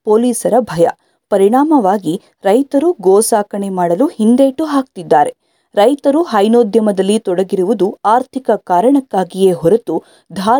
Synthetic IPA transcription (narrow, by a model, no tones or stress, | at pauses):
poːliːsɐɾɐbʱɐjɐ̰ | pɐɾiɳaːmɐʋaːɡi | ɾɐjt̪ɐɾuɡoːsaːkɐɳemaːɽɐluhind̪eːʈuɦaːk̚t̪id̪ːaːɾe̞ | ɾɐjt̪ɐɾuɦɐjnoːd̪ʱjɐmɐd̪ɐlːit̪ɔɽɐɡiɾuʋud̪uaːɾt̪ʰikɐkaːɾɐɳɐkːaːɡije̞ːɦɔɾɐt̪u | d̪ʱaː